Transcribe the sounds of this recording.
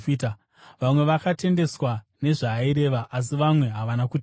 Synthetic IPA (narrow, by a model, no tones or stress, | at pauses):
fiːta | ʋamwe̞ʋakate̞nde̞swa | ne̞ʐaːiɾe̞ʋaʔas̬iʋamwe̞ɦaʋanakut